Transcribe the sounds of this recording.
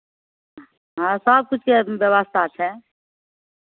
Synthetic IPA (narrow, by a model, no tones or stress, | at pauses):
ɦãsɔːb̚kʊt͡ʃʰkebjəʋaːst̪ʰat͡ʃʰɛ